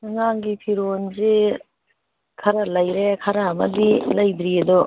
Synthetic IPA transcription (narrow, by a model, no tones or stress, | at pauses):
naŋaŋɡipʰiɾonze | kʰɐɾɐlɐjɾekʰɐɾaɐmɐ̰dilɐjbɾiɐdɔ